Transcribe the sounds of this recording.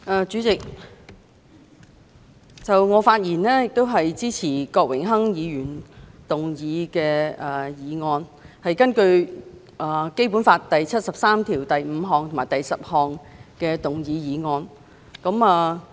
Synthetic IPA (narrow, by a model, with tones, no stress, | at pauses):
ʔɐː˨t͡ʃyː˨˥t͡sɪ˨k̚ | t͡sɐ˨wŋɔː˨˧faː˧t̚jiː˨˩nlɛː˥jɪ˨k̚t̪o˥wɦɐ˨jt͡siː˥t͡sʰiː˨˩kɔː˧k̚wɪ˨˩ŋɦɐ˥ŋjiː˨˧jyː˨˩nt̪ʊ˨ŋjiː˨˧kɛː˧ɐː˨jiː˨˧ŋɔː˧nhɐ˨jkɐ˥nkɵ˧ɥ | ʔɐː˨˩ke˥jp̬uː˨˥nfaː˧t̚t̪ɐ˨jt͡sʰɐ˥t̚sɐ˨p̚saː˥mt̪ʰiː˨˩wt̪ɐ˨jm̩˨˧ɦɔː˨ŋt̪ʰʊ˨˩maː˨˩jt̪ɐ˨jsɐ˨p̚hɔː˨ŋkɛː˧t̪ʊ˨ŋjiː˨˧jiː˨˧ŋɔː˧n | kɐ˨˥maː˨˧